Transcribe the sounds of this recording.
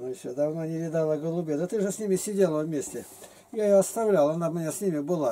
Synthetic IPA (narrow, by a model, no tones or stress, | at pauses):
nuɪsʲod̪ɐvnonʲɪvʲɪd̪alˠəɡəlˠʊbʲed̪ət̪ɨʐəsʲnʲimʲɪsʲɪdʲelˠəvmʲesʲtʲɪ | jajoɐst̪ɐvlʲalˠɐnamʲɪnʲasʲnʲimʲɪbɨlˠa